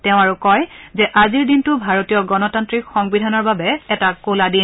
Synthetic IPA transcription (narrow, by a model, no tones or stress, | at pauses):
tɛʊ̃aɹukɔjzɛʔaziɹdintʊbʱaɹotijɔɡɔnɔtantɹikxɔŋbidʱanɔɹbabɛɛtakoladin